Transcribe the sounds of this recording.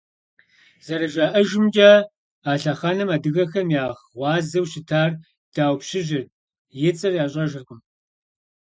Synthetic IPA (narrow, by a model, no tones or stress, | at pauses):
z̥ɐɾɐʒaːʔɐʒɪmd͡ʒɐː | aːɬɐχanɐmaːdɨɣɐxɐmjaːʁwʷɑːzɐwɕɪtʰaːr | d̥aːwpɕɪʑɪr | jɪt͡sʼɨrjaːɕʼɐʒɐrkʷʊm